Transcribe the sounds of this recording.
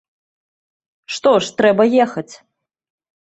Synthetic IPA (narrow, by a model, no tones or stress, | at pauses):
ʂt̪ɔʂt̪ɾɛbɐjɛxɐt͡sʲ